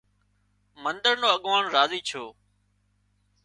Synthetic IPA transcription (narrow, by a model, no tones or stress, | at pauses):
mənd̪əɾnoːəɠʋaːɳɾaːziːt͡ʃʰoː